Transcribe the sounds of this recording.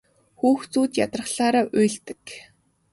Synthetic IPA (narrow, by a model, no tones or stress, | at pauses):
xuːxt͡suːt͡ɕ̪jat̪rə̆χɬaːɾaːʔʊːɮt̪ɘ̥̆k